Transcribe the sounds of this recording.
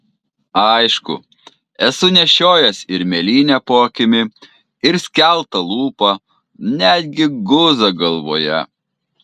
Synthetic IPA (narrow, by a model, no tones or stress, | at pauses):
ɐɪʃkʊ̰ | ɛsʊnʲɛʃʲoːjɛsɪɾmʲɛlʲiːnʲæpoːkʲɪmʲɪ | ɪɾsʲkʲɛlˠt̪ɐlˠuːpɐ | nʲæd̪ʲɡʲɪɡʊzɐɡɐlˠʋo̰ːjɛ